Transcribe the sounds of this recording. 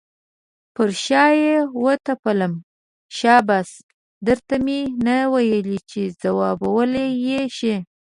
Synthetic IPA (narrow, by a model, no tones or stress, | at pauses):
pəɾʃɑjewət̪apələm | ʃɑbas | d̪əɾt̪amenawajəlit͡ʃezawɑbawəlejeʃe